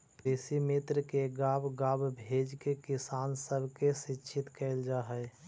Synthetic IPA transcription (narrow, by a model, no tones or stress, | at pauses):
pɾɪsimɪt̪ɾəkeɡaːbɡaːbbʱeːd͡ʒkekɪsaːnsəbʱkesɪːʃʰɪt̪kɛld͡ʒaːɦɛ